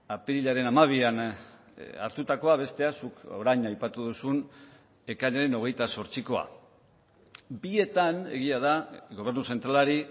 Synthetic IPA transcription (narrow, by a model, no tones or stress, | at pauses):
apiɾiʎaɾe̞namaβ̞ian | a̰ɾt̪ut̪ako̞aβe̞st̪e̞asuko̞̰ɾajɲajpat̪uðusun | e̞kaʎaɾe̞no̞ɣ̞e̞jt̪aso̞ɾt͡siko̞a̰ | bie̞t̪ane̞̰ɣ̞iað̞aɣo̞β̞e̞ɾnuse̞nt̪ɾalaɾi